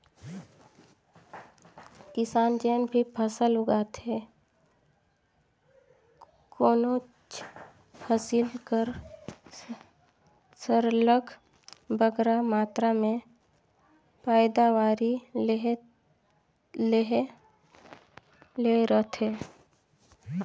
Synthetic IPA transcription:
kɪsaːnd͡ʒeːnbʱipʰəsəlʊɡaːt̪ɦɛː | koːno | t͡ʃ | pʰəsɪlkəɾ | səɾləɡ | bəɡɾamaːt̪ɾamẽ | paːɪd̪awaːɾi | leɦ | leɾət̪ʰɦɛː

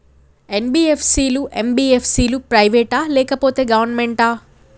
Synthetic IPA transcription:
enbiːepʰsiːluʔembiːepʰsiːlupɾɐjʋeːʈaːlɛːkɐpo̞ːt̪e̞ːɡɐʋɐɾnmeɳʈaː

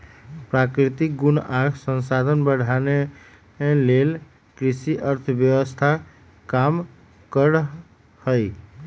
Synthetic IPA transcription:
pɾakɾit̪ik̚ɡunaɡsə̃nsad̪ʱənbəɽ̤ʱane | lel | kɾisiʔəɾt̪ʰəbjəwəst̪ʰa | kam | kəɾ | həj

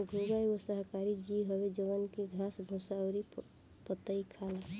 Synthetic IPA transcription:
ɡʱoɡajosəɦkaɾid͡ʒiɦəbed͡ʒəʋənkeɡʱãsbʱũsaʊɾi | pət̪ːəikʰala

